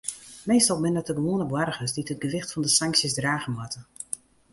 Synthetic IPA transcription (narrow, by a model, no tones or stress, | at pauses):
meːstɔlˠbɪnəətəɡəʋoːənəbwarɣəsditət̚ɡəʋɪxtfɔndəsaŋksjəsdraːɣəmwatə